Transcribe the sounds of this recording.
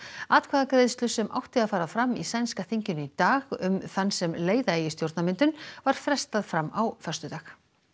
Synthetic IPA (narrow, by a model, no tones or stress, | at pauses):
aːt̪̚kʰvaːðakɾejðst̪lʏsɛmʔa̰wht̪ɪaðfaːɾafɾamːisajnskaθiɲcʏnʏit̪aːɣʏmθanːsɛmleːjðaeːjɪst̪jowɾt̪namɪnt̪ʏnvaɾ̥fɾɛst̪aðfɾamawfœ̥st̪ʏt̪aːx